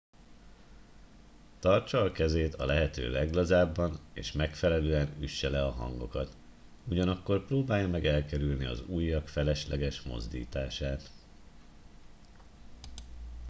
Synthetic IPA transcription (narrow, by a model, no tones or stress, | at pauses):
t̪ɒrt͡ʃɒːkɛzeːt̪ɒ̰lɛɦɛt̪ø̰ːlɛɡlɒzaːbːɒnḛːʃmɛkfɛlɛløːɛnyʃːɛlɛɒɦɒ̰ŋɡo̞kɒt̪ | uɟɒnɒkːo̞rproːbaːjɒmɛɡɛlkɛɾylniɒ̰zuːjːɒkfɛlɛʃlɛɡɛʃmo̞̰zd̪ḭːt̪aːʃaːt̪